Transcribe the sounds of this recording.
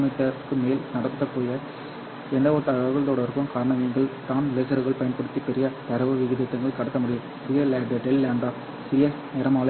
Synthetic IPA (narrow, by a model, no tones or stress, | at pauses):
mɐɪt̪ːɐkːɯmeːlnɐɽɐt̪ːðɐpːoːjɐ | ɛnd̪ɐʋot̪ɐɣaɣɐɭt̪oːɽɐʋɐɾɯkːɯmkaːɾɐɳɐmiːŋɡɐɭt̪aːnleːsɐɾɯɣɐɭpɐjɐnpɐɽɯt̪ːipːɛɾɪjɐt̪ɐɾɐʋɐʋɪɣɪðet̪ːɐŋɡɐɭkɐɽɐt̪ːɐmʊɽɪjɯmsɪɾɪjɐlɐɖɐɖɛlːaːɳbaː | sɪɾɪjɐneːɾɐmaːlɐ